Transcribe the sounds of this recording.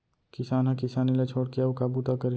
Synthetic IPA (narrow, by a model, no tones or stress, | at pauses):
kɪsaːnɦãkɪsaːnilat͡ʃʰoːɽkejaukaːbut̪akəɾ